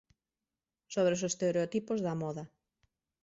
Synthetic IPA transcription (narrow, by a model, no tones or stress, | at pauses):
soβɾesost̪eɾeot̪ipozðamɔðɐ